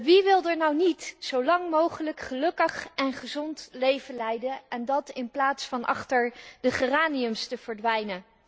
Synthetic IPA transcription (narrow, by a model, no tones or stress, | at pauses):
ʋiʋɪlˠdəɹnɑwnitsowlɑŋmowχələkχəlɵkəχɛnχəzɔntlejvənlɛjdənɛndɑtɪnplaːtsfɑnɑ̰χtəɹdəχəraːniɵmstəv̥əɹdʋɛjnən